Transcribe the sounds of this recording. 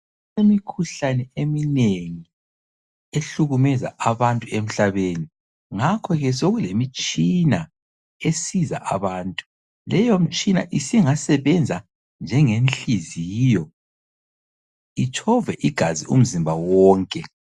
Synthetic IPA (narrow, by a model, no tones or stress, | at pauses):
emikʰuɬanɛemineŋi | eɬuɣumɛza̰ʔaβantʼuem̩ɬaβeni | ŋakʰɔɣɛs̬oɣulemit͡ʃʼina | esiza̰ʔaβaːntʼu̥ | lɛjom̩t͡ʃʼina̰ʔisiŋasɛβɛnd͡zʱa | nd͡ʒʱɛŋenɬiziːjɔ | it͡ʃʰɔvɛʔiɡ̥ʱazium̩zimbʱawɔːŋkʼɛ